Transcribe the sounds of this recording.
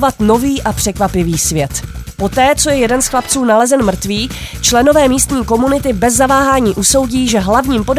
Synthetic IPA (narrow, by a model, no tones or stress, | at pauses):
vat̪no̞viːʔapr̥ɛkvapɪviːsvjɛt̪po̞t̪ɛːt͡so̞jɛjɛdɛnsxlapt͡suːnalɛzɛnmr̩t̪viː | t͡ʃlɛno̞vɛːmiːst̪ɲiːko̞munɪt̪ɪbɛzːavaːɦaːɲiːʔuso̞wɟiːʒɛɦlavɲiːmpo̞d